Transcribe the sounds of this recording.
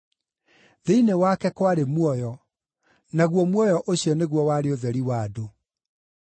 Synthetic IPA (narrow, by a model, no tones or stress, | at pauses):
ðeinewakɛkwaɾemwɔjɔ | naɣwɔmwɔjɔʔoɕiɔneɣwɔwaɾeoðɛɾiwaːdo